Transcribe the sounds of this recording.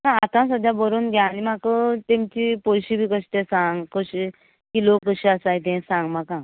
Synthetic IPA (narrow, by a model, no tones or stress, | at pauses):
nãːt̪ãsəd̪ʱjabəɾuːnɡʱjãːnimakət̪emt͡ɕipolɕibʱiːkəɕt̪esãŋɡkəɕi | kilokəɕiasajt̪̬ɛ̃sãŋɡmakã